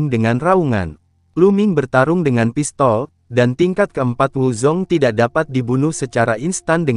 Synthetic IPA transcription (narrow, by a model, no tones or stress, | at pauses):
ŋdəŋanrauŋa̰n | plumɪŋbərt̪aɾʊŋdəŋanpist̪ɔl | dant̪iŋkat̪̚kəəmpat̪̚wulzɔŋt̪idak̚dapat̪̚dibunʊhsət͡ʃaɾaʔinst̪andə